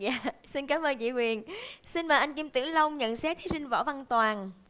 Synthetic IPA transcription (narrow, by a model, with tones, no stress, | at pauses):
ja̰ː˧˩si˧nkaː˨˦mʔəː˧nt͡ɕḭ˧˨ŋwi˨˩ənsi˧nmaː˨˩ʔa˧jŋ̟ki˧mt̪ɨ˧˩əŋlə˧wŋ͡mɲə̰˧˨nsɛ˦˥k̚t̪ʰi˨˦sï˧ŋ̟vɔ̰ː˧˩va˧˩nt̪waː˨˩n